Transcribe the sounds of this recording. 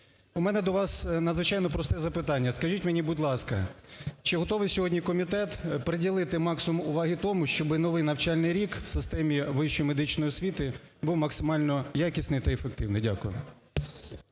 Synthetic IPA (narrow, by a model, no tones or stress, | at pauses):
umɛnɛd̪ɔʋɑsnɐd̪zʋɪt͡ʃɑjnɔpɾɔst̪ɛzɐpɪt̪ɑnʲːɐskɐʒitʲmenʲibudʲlˠɑskɐ̰t͡ʃɪɦɔt̪ɔʋɪjsʲɔɦɔdʲnʲikɔmʲit̪ɛt̪pɾedʲilˠɪt̪ɪmɑksʊmʊʋɑɦit̪ɔmʊʃt͡ʃɔbɪnɔʋɪjnɐwt͡ʃɑlʲnɪjɾʲikw̥sɪst̪ɛmʲiʋɪʃt͡ʃɔjmed̪ɪt͡ʃnɔjiɔsʲʋʲit̪ɪ | buwmɐksɪmɑlʲnɔjakʲisʲnɪjt̪ɐefek̚t̪ɪwnɪjdʲa̰kʊjɛ̰